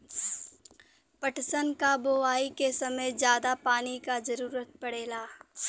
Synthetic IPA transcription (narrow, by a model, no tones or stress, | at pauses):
pəʈsənkaboʋaːikesɐməjzjaːd̪apaːnikazɐɾuːɾət̪̚pɐɽeːlaː